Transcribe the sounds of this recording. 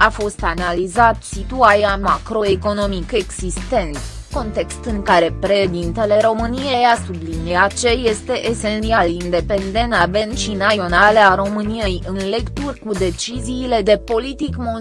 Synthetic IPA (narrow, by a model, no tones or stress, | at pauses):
afo̞st̪analizat̪sit̪uaɾiamakɾo̞eko̞no̞mikeɡzist̪e̞nt̪ | ko̞nt̪e̞kst̪ɨŋkaɾe̞pɾe̞ʃed̪int̪e̞le̞ɾo̞mɨnijejasubliniat͡ʃe̞je̞st̪e̞ʔese̞nt̪ialind̪e̞pe̞nd̪e̞nabe̞nʃinaio̞nale̞aɾo̞mɨnijejɨnle̞kt̪urʲkud̪e̞t͡ʃiziːle̞d̪e̞po̞lit̪ikmo